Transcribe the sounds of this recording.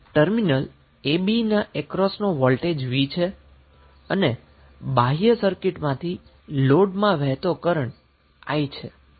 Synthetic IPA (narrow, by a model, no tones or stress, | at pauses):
ʈəɾminəl | ebinaʔekɾɔsnoʋɔlʈed͡ʒʋit͡ʃʰe | əne | baɦjəsəɾkɪʈmãt̪ʰi | loɖmãʋɛɦt̪okəɾəɳ | a̰jt͡ʃʰe